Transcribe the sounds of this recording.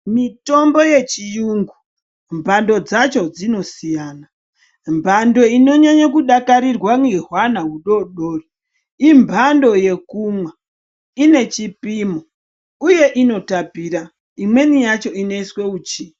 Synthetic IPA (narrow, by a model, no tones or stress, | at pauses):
mito̞mbo̞je̞t͡ʃijuːŋɡu | mbʱando̞d͡zat͡ʃo̞d͡zino̞sijaːna | mbʱando̞ino̞ɲaɲakuɗakaɾirwaŋeɦwanaɦuɗo̞ɗoːri | imbʱando̞je̞kumwa | ine̞t͡ʃipimo | uje̞ʔino̞tapiːɾa | imwe̞nijat͡ʃo̞ine̞iswe̞uːt͡ʃi